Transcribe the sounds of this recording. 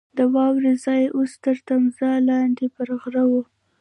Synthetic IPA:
d̪əwɑwɾezɑjʔost̪əɾt̪amzɑlɑnd̪epəɾɣɾawu

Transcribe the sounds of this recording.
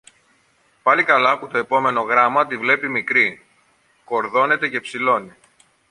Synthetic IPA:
pɐlikɐlɐput̪o̞e̞po̞me̞no̞ɣɾɐmɐt̪ivle̞pimikɾi | ko̞ɾðo̞ne̞t̪e̞ce̞psilo̞ni

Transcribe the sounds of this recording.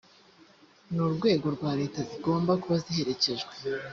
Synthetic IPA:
nuɾɡwe̞ːɡo̞ɾɡwaːɾe̞ːtaziɡo̞ːmbakuβazihe̞ɾe̞ce̞ʒɡwe

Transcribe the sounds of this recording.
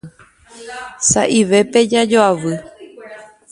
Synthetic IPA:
sa̰ʔiʋe̞pe̞d͡ʒad͡ʒoaʋɨ

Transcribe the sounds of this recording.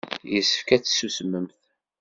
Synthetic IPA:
jəsə̥fkæt͡sːsusəmːəmθ

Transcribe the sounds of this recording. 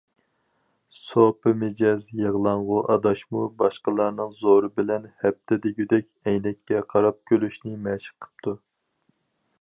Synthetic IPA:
sopɨmɪd͡ʒɛzjɨʁlˠɑɴʁʊʔɑd̪ɑʃmubɑʃqəlˠɑɾnɨŋzoɾɨbɪlɛnhɛp̚t̪ʰɪd̪ɪɡʲyd̪ɛkʲɛjnɛkʲːɛqʰɑɾɑp̚kʲʰølyʃnɪmɛʃɪ̥qʰə̥p̚t̪ʰu

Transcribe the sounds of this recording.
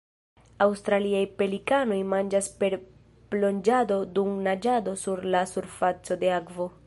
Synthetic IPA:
awstɾaliajpe̞likano̞jmand͡ʒaspe̞ɾ | b̥lo̞nd͡ʒado̞dumnad͡ʒado̞suɾlasuɾfat͡so̞de̞akvo̞

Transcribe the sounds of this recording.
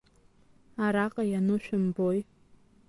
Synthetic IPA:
aɾaqʼajanɨʃᶣʊmboj

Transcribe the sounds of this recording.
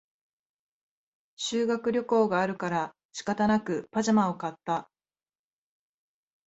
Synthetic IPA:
ɕɨːɡakɯ̟ɾʲo̞ko̞ːɡaːɾɯ̟kaɾa | t͡ɕi̥kat̪anakɯ̟paʑamao̞kat̪ːa

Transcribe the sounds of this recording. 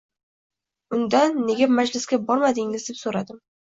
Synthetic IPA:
ʊnd̪anːe̞ɡʲamad͡ʒlɪsɡʲabɒɾmad̪ɪŋɪzd̪e̞psoɾad̪ɪm

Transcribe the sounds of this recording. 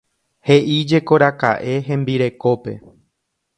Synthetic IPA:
he̞ʔid͡ʒe̞ko̞ɾaka̰ʔe̞ɦẽ̞mbiɾe̞ko̞pe̞̰

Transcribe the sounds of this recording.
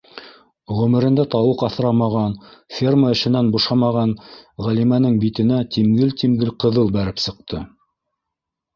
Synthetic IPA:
ʁɵ̆mɘ̆ɾɘ̆nd̪æt̪ɑwɤqɑθɾɑmɑʁɑnfʲerməɘ̆ʃɘ̆nænbuʃɑmɑʁɑnʁælimænɘŋbit̪ɘ̆næt̪imɡɘlt̪imɡɘlqɤ̆ðɤlˠbæɾɘpsɤ̆q̚t̪ʰɤ

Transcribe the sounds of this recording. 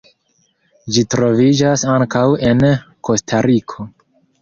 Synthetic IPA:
d͡ʒitɾo̞vid͡ʒasaŋkawe̞nko̞stʰaɾikʰo̞

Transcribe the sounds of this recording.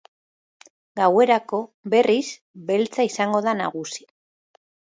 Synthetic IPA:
ɡawe̞ɾako̞βe̞ris | be̞lt͡saisaŋɡo̞ðana̰ɣusi̥

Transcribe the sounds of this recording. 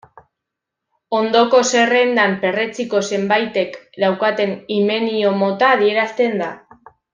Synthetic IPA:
o̞nd̪o̞ko̞se̞re̞nd̪ampe̞re̞t͡siko̞se̞mbajt̪e̞kd̪awkat̪e̞nime̞nio̞mo̞t̪aːðie̞ɾast̪e̞nd̪a

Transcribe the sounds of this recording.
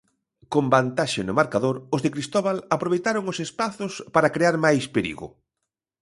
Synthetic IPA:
kombant̪aʃɪnʊmaɾkaðoɾʊzðekɾist̪ɔβalapɾoβejt̪aɾoŋosespaθospaɾakɾeaɾmajspeɾḭɣʊ̰

